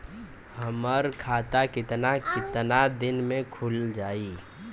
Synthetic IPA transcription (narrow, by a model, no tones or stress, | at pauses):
həməɾkʰaːt̪akɪt̪nakɪt̪nad̪ɪnmẽkʰʊld͡ʒaːiː